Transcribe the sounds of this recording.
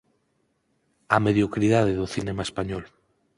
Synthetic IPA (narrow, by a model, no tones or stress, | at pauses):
ameðjokɾiðað̞eðoθinemaespaɲɔl